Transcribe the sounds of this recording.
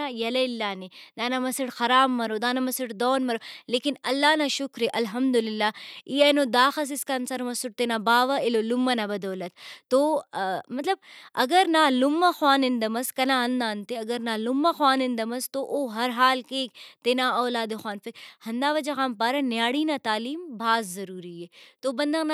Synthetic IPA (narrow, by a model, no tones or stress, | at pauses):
ajɐlɐɪlːaːned̪aːnamɐsiʈxɐɾaːmːɐɾoːd̪aːnamɐsɪʈd̪ɔːnmɐɾoleːkinɐlːaːnaːʃʊkɾeʔɐlɦɐmd̪ulɪlːaːiːɐːnoːd̪aːxɐs̬ɪskansɐɾmɐsʊʈ̚t̪enaːbaːʋɐelolʊmːɐnabɐd̪oːlɐt̪̚t̪ːoːmɐt̪lɐb̚ɐɡɐɾnaːlʊmːaxwaːnɪnd̪ɐmɐskɐnãːɐnd̪aːnt̪eɐɡɐɾnaːlʊmːaxwaːnɪnd̪ɐmɐst̪oʔoːɦɐɾɦaːlkeːkt̪eːnaːɔːlaːd̪exwaːnfɪkhɐnd̪aːʋɐd͡ʒɐxaːmpaːɾɐnjaːɽiːnaːt̪aːliːmbʱaːzːɐɾuːɾieːt̪obɐnd̪ɐŋna